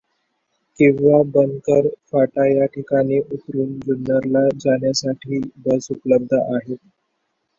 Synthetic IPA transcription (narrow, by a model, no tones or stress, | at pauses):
kĩʋʋabənkəɾfaʈajaʈʰikaniʔut̪ɾuːnd͡ʑunːəɾlad͡zaɳjasaʈʰiːbəsupələb̚d̪ʱəʔaɦet̪